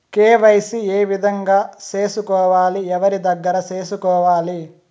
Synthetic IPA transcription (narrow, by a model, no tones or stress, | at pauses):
keːʋɐjsieːʋid̪ʱɐŋɡaːt͡ʃeːsukɔːʋaːliɛʋɐɾid̪ɐɡːɐɾɐt͡ʃeːsukɔːʋaːli